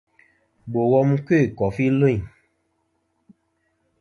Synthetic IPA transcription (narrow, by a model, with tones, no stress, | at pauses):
bo˨wɔ˦mu˦ke˦˨kɔ˨fi˦lo˦ĩ˨